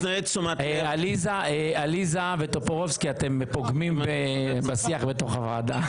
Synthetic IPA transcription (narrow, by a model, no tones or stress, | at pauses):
naesumatalizaealizavetopoʁovskiat̪empoɡmimbebasiaχbet̪o̞χavaːd̪a